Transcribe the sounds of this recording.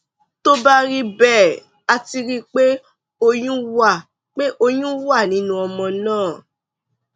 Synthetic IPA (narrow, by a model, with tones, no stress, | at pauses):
to˦ba˦ɾi˦bɛː˦˨ | a˧ti˧ɾi˦k͡pe˦ | o˧j̃ũ˦wa˦˨ | k͡pe˦ʔo˧jũ˦wa˦˨nĩ˦nũ˦ɔ˧mɔ̃˧nãː˦˨